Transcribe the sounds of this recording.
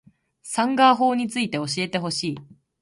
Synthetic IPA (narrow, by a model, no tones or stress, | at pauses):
sãŋɡaːɦo̞ːɲ̟it͡sɨit̪e̞o̞ɕ̬ie̞t̪e̞ɦo̞ɕiː